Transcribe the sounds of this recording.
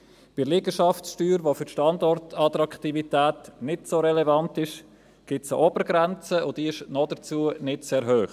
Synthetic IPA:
b̥ɪlɪɡəʃɑftsʃtyːɾʋofʏɾʃtɑndɔrtʰɑtɾɑktivitɛːtnɪtsoɾɛlɛvɑntɪʃ | ɡ̥ɪtsəʔobəɾɡɾɛnt͡səʊd̥iɪʃnɔdət͡suːənɪtsɛɾɦøːχ

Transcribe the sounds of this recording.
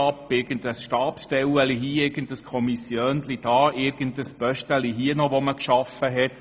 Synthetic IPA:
ɑpːɪɾɡ̥ənd̪əsʃtɑːpʃtɛwəliɦiːɪrɡəndəskʰɔmisjøːnlid̥ɑːʔɪɾɡ̥ənt̪əsb̥œʃtəliɦiənɔʋɔməkʃɑfəɦɛt

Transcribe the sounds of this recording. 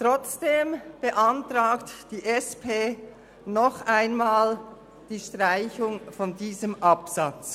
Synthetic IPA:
tʁɔt͡sd̥eːmb̥əʔɑntʁaːktd̥iːʔɛspʰeː | nɔχaɪnmaːl | d̥iːʃtʁaɪçʊŋfɔndiːzəmʔɑpsɑt͡s

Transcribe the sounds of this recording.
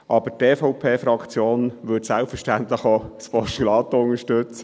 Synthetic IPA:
ʔɑbəteːfɔʊpʰeːfɾɑkʰt͡sjoːnʋʏdsælpfəɾʃtænt̪lɪχospɔstylɑːt̪ʊnəʃtøt͡s

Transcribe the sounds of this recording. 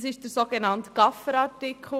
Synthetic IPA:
sɪʃd̥əɾsoɡ̥enɑnt̪ɡ̥ɑfəɾɑtɪkʰl

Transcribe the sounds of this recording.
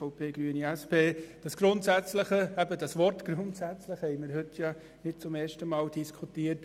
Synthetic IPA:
ɔʊpʰeːɡ̥ɾyəniæspʰeːd̥ɑsɡ̥ɾʊntsæt͡sləχəæbədɑsʋɔrtɡ̥ɾʊntsæt͡sləχhɛɪməɾɦɵtʰjɑ | nɪtt͡sʊmeːʃtəmɑːld̥iskʰutiːəɾt

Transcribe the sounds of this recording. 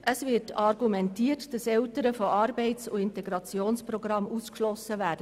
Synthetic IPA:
ʔəsvɪɾtʰɑɾɡumɛntiːərtd̥ɑsɛltəɾəfoʔɑːɾbɛɪt͡sʊɪntɛɡɾɑt͡sjoːnsprɔɡɾɑmuskʃlɔsːəvæːd̥ə

